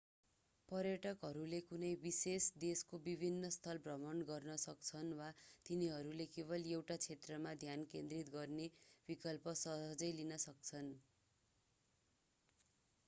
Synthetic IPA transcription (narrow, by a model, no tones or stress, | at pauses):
pʌrjʌʈʌkɦʌɾulekunʌjbisesd̪eskobibʱinːʌst̪ʰʌlbrʌmʌɳɡʌrnʌsʌk̚t͡sʰʌnwat̪iniɦʌɾulekeβʌlewʈat͡sʰet̪rʌmad̪ʱjankend̪rit̪ɡʌrnebikʌlpʌsʌɦʌd͡zʌjlinʌsʌk̚t͡sʰʌn